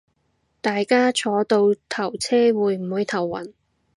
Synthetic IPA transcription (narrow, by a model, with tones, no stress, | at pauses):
t̪aː˨jkaː˥t͡ʃʰɔː˨˧t̪o˧wt̪ʰɐ˨˩wt͡sʰɛː˥wuː˨˧jm̩˨˩huː˨˧jt̪ʰɐ˨˩wːɐ̰˨˩n